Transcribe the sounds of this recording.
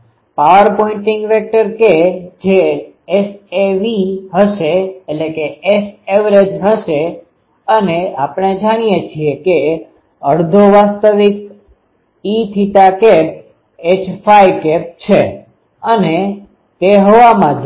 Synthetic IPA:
paʋəɾpɔĩɳʈɪ̃ŋɡʋɛk̚ʈəɾked͡ʒe | eseʋiɦəʃeːtlekeeseʋɾed͡ʒɦəʃe | əneapɽ̃ed͡ʒaɽ̃ijet͡ʃʰieke | əɾd̪ʱoʋast̪əʋik̚ | it̪ʰit̪akep̚ | et͡ʃfʰajkɛp̚t͡ʃʰe | əne | t̪eɦoʋamãd̪ʱ

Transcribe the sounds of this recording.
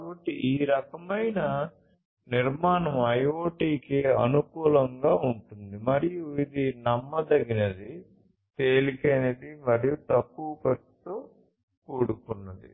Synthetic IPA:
kbɐʈːiʔiːɾɐkɐmɐjnɐ | niɾmaːnɐmɐjoːʈiːkeɐ̰nukuːlɐŋɡaːuɳʈund̪imɐɾijuid̪inɐmːɐd̪ɐɡinɐd̪i | t̪eːlikɐjned̪imɐɾijut̪ɐkːuːkɐt̪uː | kuːɽukunːɐd̪ḭ

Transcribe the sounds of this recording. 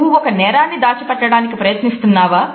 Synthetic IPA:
uɔkɐnɛːɾaːnːid̪aːt͡ʃɐpɛʈːɐɽaːnikipɾɐjɐt̪nist̪unːaːʋaː

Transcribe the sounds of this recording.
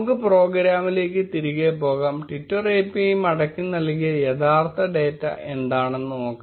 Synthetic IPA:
kːɨpro̞ːɡɾaːmile̞ːk̬ːɨt̪iɾiɣepo̞ːɣaːmʈitːɐreːpːijmɐɽɐkʲːunːɐlkijɐjɐt̪ʰaːrt̪ʰɐɖe̞ːtːɐ̰ʔe̞nd̪aːɳenːuno̞ːkː

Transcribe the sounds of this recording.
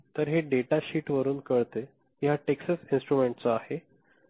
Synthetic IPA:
t̪əɾɦeɖeʈaɕiːʈʋəɾuːnkəɭt̪e | jaʈeksəsinsʈɾumeɳʈ̚t͡soahe

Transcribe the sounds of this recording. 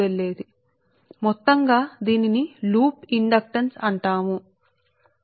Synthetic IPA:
elːe̞ːd̪i | mɔt̪ːɐŋɡaːd̪iːniniluːpiɳɖɐk̚ʈɐnsɐɳʈaːmu

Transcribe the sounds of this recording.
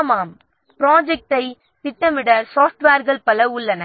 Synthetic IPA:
maːm | pɪɾaːd͡ʒɛk̚ʈɐɪ | t̪ɪʈːɐmɪɽɐsaːfʈʋaːɾɣɐɭpɐlɐʊɭːɐnɐ

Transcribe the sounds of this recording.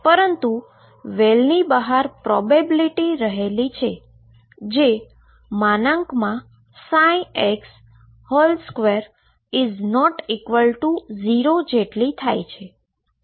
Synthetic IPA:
pəɾənt̪u | ʋelnibəɦaɾpɾɔbebiliʈiɾəɦelit͡ʃʰe | d͡ʒe | manãŋkmã | saj̃eks | hɔlskʋeɾ | iznɔʈikʋəlʈuziɾod͡ʒeʈlit̪ʰajt͡ʃʰe

